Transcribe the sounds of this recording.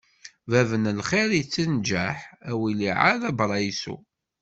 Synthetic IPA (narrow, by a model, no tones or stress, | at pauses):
vævənlχiɾit͡sːənd͡ʒæħæwiliʕa̰ɾæbɾˤɑjsṵ